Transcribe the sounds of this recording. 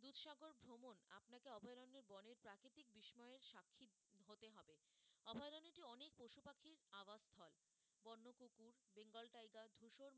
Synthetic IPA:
d̪ut̪ʃaɡoɾbʱɾomona̰pnakeɔbʱɔeɾoneɾbɔneɾpɾakɾit̪ik̚biʃmɔeeɾʃakʰːi | ɦot̪eɦɔbe | ɔbʱɔjɾoniʈiɔnek̚poʃupakʰːiɾabasst̪ʰɔl | bɔnːokukuɾbeŋɡɔlʈajɡad̪ʱuʃoɾ

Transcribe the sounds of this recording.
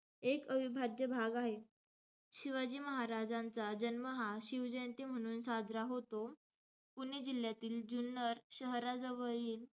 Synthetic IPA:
ekəʋibʱad̪jəbʱaɡaɦe | ɕiʋad͡ʑiːməɦaɾad͡zant͡sad͡ʑənməɦaɕiwd͡ʑənt̪im̤əɽ̃uːnsad͡zʱɾaɦot̪o | puñed͡ʑiljat̪iːld͡ʑunːəɾɕəɦɾad͡zəʋəɭiːl

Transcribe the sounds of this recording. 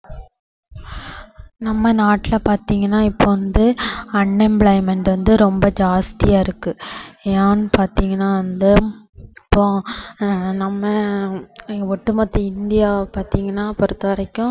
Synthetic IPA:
nɐmːɐnaːʈːɪlɐpaːɾt̪iːŋɡɐnːaːɪpːoːʋɐnd̪ɯɐnːɛmbɭɐɪmɛɳʈʋɐnd̪ɯɾɔmbɐd͡ʒaːst̪ɪjaːɪɾɯkːɯaːnpaːɾt̪iːŋɡɐnːaːʋɐnd̪ɯ | ɪpːõː | nɐmːɐ | ɔʈːɯmɐt̪ːɯɪnd̪ɪjaːpaːɾt̪iːŋɡɐnːaːpɔɾɯt̪ːɐʋɐɾɐkːʊ̃

